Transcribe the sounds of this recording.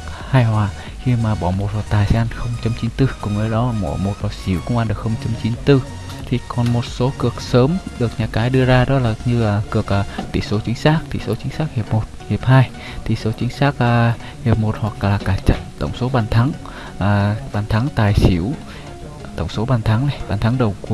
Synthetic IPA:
haː˧jhwaː˧˩ | xi˧maː˨˩ɓɔ˧˩mo˨˩t̚hwa˨˩k̚t̪aː˨˩jsɛ˧ʔa˧nxə˧wŋ͡mt͡ɕa˧mt͡ɕi˨˦nt̪ɨ˧kʊ̰˧˨˩ŋ͡mməː˨˦jɗɔ˨˦mo̰˧˩mo˨˩t̚vɔ˧˩si˧˩əwkʊ˧ŋ͡mʔa˧nɗɨ˨˩ək̚xə˧wŋ͡mt͡ɕa˧mt͡ɕi˨˦nt̪ɨ˧ | t̪ʰi˨˩kɔ˨˩nmo˨˩t̚so˨˦kɨ˨˩ək̚səː˨˦mɗɨ˨˩ək̚ɲaː˨˩kaː˨˦jɗɨ˧əzaː˧ɗɔ˨˦laː˨˩ɲɨ˧˨˩kɨ˨˩ək̚ːt̪ʰḭ˧˨so˨˦t͡ɕï˨˦ŋ̟saː˦˥k̚t̪ʰḭ˧˨˩so˨˦t͡ɕi˨˦ŋsaː˦˥k̚hi˨˩əp̚mo˨˩t̚hi˨˩p̚haː˧j | t̪ʰḭ˨˩so˨˦t͡ɕï˨˦ŋ̟saː˦˥k̚ː | hi˨˩əp̚mo˨˩t̚hwa˨˩k̚laː˨˩kaː˧˩t͡ɕa˧˨t̪ə̰˧˩wŋ͡mso˨˦ɓaː˧˩nt̪ʰa˨˦ŋ | ʔaː˨˩ɓaː˨˩nt̪ʰa˨˦ŋt̪aː˨˩jsḭ˧˩əw | t̪ə̰˧˩wŋ͡mso˨˦ɓaː˨˩nt̪ʰa˨˦ŋna˨˩jɓaː˨˩nt̪ʰa˨˦ŋɗə˨˩wku˧

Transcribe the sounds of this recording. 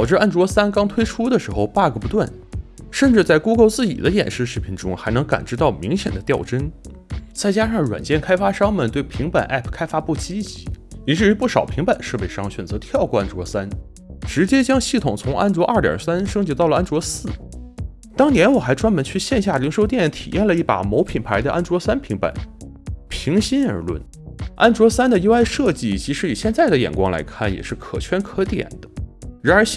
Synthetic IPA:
ɑ˨˩ʊʈ͡ʂɻ̩˥˧ʔa˥˩nʈ͡ʂwɔ˧˥sa˥nkɑ˥ŋt̪ʰwe˥ɪʈ͡ʂʰu˥d̪ə˨ʂɻ̩˧˥xo˥˧ʊpa˥˩ɡə˨˩pu˧˥t̪wa˥˩nʂə˥˧nʈ͡ʂɻ̩˥˧t͡sa˥˩ɪku˥ko˥˧ʊt͡sɹ̩˥˩t͡ɕḭ˨˩d̪ə˦jɛ̰˨˩nʂɻ̩˥˧ʂɻ̩˥˩pʰi˧˥nʈ͡ʂʊ˥ŋxa˧˥ɪnɤ˧˥ŋka̰˨˩nʈ͡ʂɻ̩˥˧t̪ɑ˥˩ʊmi˧˥ŋɕjɛ̰˨˩nd̪ə˦t̪jɑ˥˩ʊʈ͡ʂə˥n | t͡sa˥˩ɪt͡ɕja˥ʂɑ˥˩ŋɻwa˨˩nt͡ɕjɛ˥˩nkʰa˥ɪfa˥ʂɑ˥ŋmə˨nt̪we˥˩ɪpʰi˧˥ŋpa˨˩nʔa̰˥˩pʰkʰa˥ɪfa˥pu˥˩t͡ɕi˥t͡ɕi˧˥i˧˩ʈ͡ʂɻ̩˥˩y˧˥pu˥˩ʂɑ˨˩ʊpʰi˧˥ŋpa˨˩nʂɤ˥˧pe˥˩ɪʂɑ˥ŋɕɥɛ˨˩nt͡sɤ˧˥t̪ʰjɑ˥˧ʊkɔ˥˩a˥˩nʈ͡ʂwɔ˧˥sa˥n | ʈ͡ʂɻ̩˧˥t͡ɕjɛ˥t͡ɕjɑ˥ŋɕi˥˩t̪ʰʊ˨˩ŋt͡sʰʊ˧˥ŋʔa̰˥nʈ͡ʂwɔ˧˥ʔa̰˥˩t̪jɑ̰˨˩sa˥nʂɤ˥ŋt͡ɕi˧˥t̪ɑ˥˩ʊlə˩ʔa˥nʈ͡ʂwɔ˧˥sɹ̩˥˩ | t̪ɑ˥ŋnjɛ˧˥nwɔ˨˩xa˧˥ɪʈ͡ʂwa˥nmə˧˥nt͡ɕʰy˥˧ɕjɛ˥˧nɕ̬ja˥˩li˧˥ŋʂo˥ʊjɛ˥˩˥nt̪ʰḭ˨˩jɛ˥˩nlə˩˧i˥˩pa̰˨˩mo˧˥ʊpʰi˨˩npʰa˧˥ɪd̪ə˧ʔa̰˥nʈ͡ʂwɔ˧˥sa˥npʰi˧˥ŋpa̰˨˩˦n | pʰi˧˥ŋɕi˥nə̰˞˧˥lwə̰˥˩n | a˥nʈ͡ʂwɔ˧˥sa˥nd̪ə˨ji˥ʊa˥˧ɪʂɤ˥˧t͡ɕi˥˩˨t͡ɕi˧˥ʂɻ̩˥i˨˩ɕjɛ˥˧nt͡sa˥˩ɪd̪ə˩jɛ̰˨˩nkwɑ̰˥ŋla̰˧˥ɪkʰa˥˩njɛ̰˨˩ʂɻ̩˥˩kʰɤ̰˨˩t͡ɕʰɥɛ˥nkʰɤ˧˥t̪jɛ̰˨˩nd̪ə˦ɻa˧˥nə˞˧˥

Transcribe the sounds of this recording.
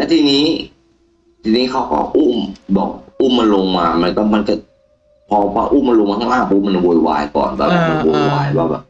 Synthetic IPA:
t̪ɛ˧˩t̪ʰiː˧niː˦˥˨ | t̪ʰiː˧niː˦˥˩kʰa˦˥˩wkɔ̰˧˩ʔuː˥˩mbɔ̰ː˨˩k̚ʔuː˥˩ma˧nlo˧ŋmaː˧ma˧˩k̪ɔ˧˩ma˧nka˧˩ | pʰɔː˧pa̰ː˧ʔuː˥˨ma˧lo˧ŋmaː˧t̪ʰŋlaː˧˥˩mpʰuː˧˩˨ma˧n˧˩woː˧jwa̰ː˧jkɔ̰ː˨˩ntaː˧˩ma˧˩ma˧˩woː˧jwaː˧jwaː˧˩bɛ̰ː˨˩p̚

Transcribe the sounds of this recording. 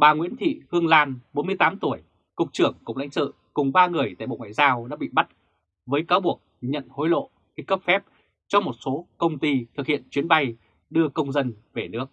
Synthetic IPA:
ɓaː˨˩ŋwḭ˧˥nt̪ʰḭ˧˨hɨ˧əŋlaː˧nɓo˨˦nmɨ˧əjt̪aː˨˦mt̪u˧˩əj | kʊ˨˩k͡p̚t͡ɕɨ˧˩əŋkʊ̰˧˩ŋ͡m̚la̰˧˥ŋ̟sɨ̰˧˨ | kʊ˨˩ŋ͡mɓaː˧ŋɨ˨˩əjt̪a̰ː˧˨jɓo̰˧˨ŋwa̰ː˧˨jzaː˧wɗa̰ː˧˥ɓḭ˧˨ɓa˦˥t̚ | vəː˨˦jkaː˨˦wɓu˨˩ək̚ɲə̰˧˨nho˨˦jlo̰˧˨ | ki˨˦kə˦˥p̚fɛ˦˥p̚ | t͡ɕɔ˧mo˨˩t̚so˨˦kə˧wŋ͡mt̪i˧t̪ʰɨ˨˩k̚hḭ˧˨ənt͡ɕwi˨˦ənɓa˧j | ɗɨ˧əkə˧wŋ͡mzə˧n | ve˨˩nɨ˦˥ək̚

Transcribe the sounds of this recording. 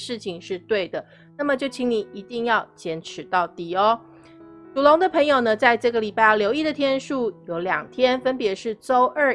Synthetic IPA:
ʂɻ̩˥˩t͡ɕʰi˨ŋʂɻ̩˥˧t̪we˥˩ɪd̪ə˩ | na˥˩mə˨˩t͡ɕjo˥˩ʊt͡ɕʰi˧˥ŋni˨˩i˧˥t̪i˥˧ŋjɑ˥˩ʊt͡ɕjɛ˧˥nʈ͡ʂʰɻ̩˨˩˦t̪ɑ˥˩ʊt̪i˨˩ɔ˧˦ | tu˨˩lo˧˥ŋd̪ə˨pʰə˧˥ŋjo˨˩ʊnə˦t͡sa˥˧ɪʈ͡ʂɤ˥˩ɡə˩li˨˩pa˥˧ɪ˥˩ljo˧˥ʊi˥˩d̪ə˨˩t̪ʰjɛ˥nʂu˥˩jo˧˥ʊljɑ̰˨˩ŋt̪ʰjɛ˥nfə˥npjɛ˧˥ʂɻ̩˥˩t͡so˥ʊʔə˥˩

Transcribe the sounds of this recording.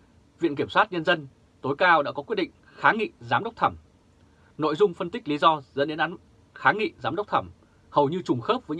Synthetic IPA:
vḭ˧˨nki˧˩əmswaː˦˥t̚ɲə˧nzə˧n | t̪o˨˦jkaː˧wɗa̰ː˧˥kɔ˨˦kwt̚ɗḭ˧˨ŋ̟ | xaː˨˦ŋḭ˧˨zaː˨˦mɗə˦˥wk͡p̚t̪ʰə˧˩m | no̰˧˨jzʊ˧ŋ͡mfə˧nt̪ï˦˥k̟̚li˨˦zɔ˧zə̰˧˥nɗe˨˦nʔaː˨˦n | xaː˨˦ŋḭ˧˨zaː˨˦mɗə˦˥wk͡p̚t̪ʰə˧˩m | hə˨˩wɲɨ˧t͡ɕʊ˨˩ŋ͡mxəː˦˥p̚vəː˨˦ɲ

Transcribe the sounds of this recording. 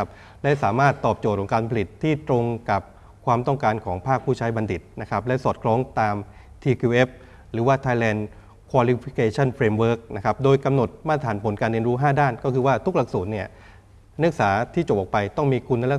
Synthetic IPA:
p̚ | lɛ˦˥saː˩˦maː˥˩t̪ːɔː˨˩p̚t͡ɕo˨˩t̪̚kʰɔː˩˦ŋkaː˧npʰa˧li˨˩t̪ʰːiː˥˩t̪ɾo˧ŋka˨˩p̚ | kʰwaː˧mt̪ɔ˥˩ŋkaː˧nkʰɔː˩˦ŋpʰaː˥˩k̚pʰuː˥˩t͡ɕʰaː˦˥jba˧ndi˨˩t̪̚na˦˥kʰa˦˥p̚lɛ˦˥sɔː˨˩t̪̚kʰlɔː˦˥ŋt̪aː˧m | t̪ʰiː˧kʰuː˧ʔe˦˥p̚ | ɾɯː˩˦waː˥˩t̪ʰaː˧jlɛː˧n | kʰwaː˧li˧pʰi˦˥kʰeː˧t͡ɕʰa˥˩npʰɾeː˧mwɤː˦˥k̚na˦˥kʰa˦˥p̚doː˧jka˧mno˨˩t̪̚maː˦˥˩t̪ʰaː˩˦npʰo˩˦nkaː˧nɾi˧ənɾuː˦˥ɦaː˥˩daː˥˩nkɔː˥˩kʰɯː˧waː˥˩t̪ʰu˦˥k̚la˨˩k̚suː˨˩t̪̚ni˥˩ɐ | nɯ˦˥k̚saː˩˦t̪ʰiː˥˩t͡ɕo˨˩p̚ʔɔː˨˩k̚pa˧jt̪ɔ˥˩ŋmiː˧kʰu˧nːa˦˥jl

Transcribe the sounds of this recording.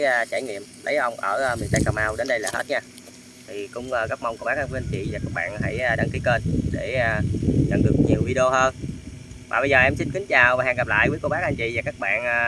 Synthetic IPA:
t͡ɕaː˧˩jŋḭ˧˨əmlə˨˦jʔə˧wŋ͡mʔəː˧˩˧mi˨˩ənt̪a˧jka˨˩maː˧wɗe˨˦nɗə˧jlaː˨˩hḛ˦˥t̚ɲaː˧ | t̪ʰi˨˩kʊ̰˧˥wŋ͡mʔəː˧˩ɣə˦˥k̚ma˧wŋ͡mkɓaː˦˥k̚ʔa˧nfʔnt͡ɕḭ˧˨vaː˨˩kaː˦˥k̚ɓa̰ː˧˨nɦa˧˩jʔəː˧ɗa˧˩ŋki˨˦kə˧nɗe˧˩aː˧˩ɲa̰˧˩ŋɗɨ˨˩ək̚ɲi˨˩əwvi˧ɗi˧o˧həː˧n | vaː˨˩ɓə˧jzəː˨˩ʔɛ˧msi˧nkï˨˦ŋ̟t͡ɕaː˨˩wvaː˨˩haː˨˩ŋɣa˨˩p̚la̰ː˧˨jvəː˨˦jko˧˩ɓaː˦˥k̚ʔa˧nt͡ɕḭ˧˨vaː˨˩kaː˦˥k̚ɓa̰ː˧˨nː˧

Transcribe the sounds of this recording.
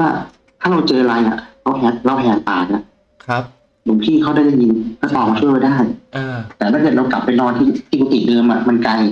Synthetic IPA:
waː˥˩ | t̪ʰaː˥˩ɾa˧wt͡ɕɤː˧la˧jʔa̰˨˩ʔkʰa˦˥whɛː˧˥ɾa˧wpʰːt̪aː˨˩n̚a˨˩ | kʰ | bu˨˩˦pʰiː˥˩kʰa˥˩wdaː˥˩jda˧˥˩ji˧nkʰa˦˥ʔɔː˨˩maː˧t͡ɕʰu˥˩əwpa˧jdaː˥˩jt̪ɛː˨˩t̪ʰaː˥˩kɤː˨˩t̪ɾa˧wka˨˩pːe˧nɾɔː˧t̪ʰiː˥˩t̪ʰiː˥˩kʰuː˧˩t̪i˨˩dɤː˧mʔa˨˩ma˧nka˧j

